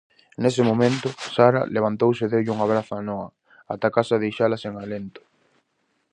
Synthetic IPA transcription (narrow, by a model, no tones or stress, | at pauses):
nesɪmomẽnt̪ʊsaɾa̰leβ̞ant̪owseðewʎuŋaβɾaθaanɔɐ | at̪akasaðejʃalaseŋalent̪ʊ̥